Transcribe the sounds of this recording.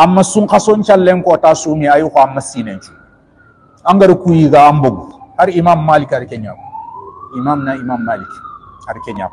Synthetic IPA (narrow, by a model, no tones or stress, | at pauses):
amːɐsũŋkasoɲt͡ʃalːeŋkɔtaːsoːmiajikoamːɐsiːnent͡ʃu | ãŋɡaɾikujiɡaamboɡuhaɾiimamːalikaɾikeɲa̰buimamnaimamːaliki̥ | haɾikeɲa̰b